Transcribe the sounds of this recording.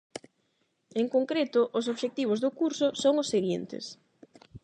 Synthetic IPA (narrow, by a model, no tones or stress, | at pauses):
eŋkoŋkɾet̪ʊʔʊs̬oβʃek̚t̪iβ̞ozðʊkuɾsʊsoŋʊsːeɣint̪ɪ̰s